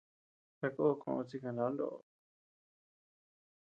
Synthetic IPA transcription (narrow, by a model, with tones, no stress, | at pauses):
t̪a˧ko˦˧kʰõ̰˧ʔt͡si˧kã˧˨lã˨˦nd̪o̰˦ʔ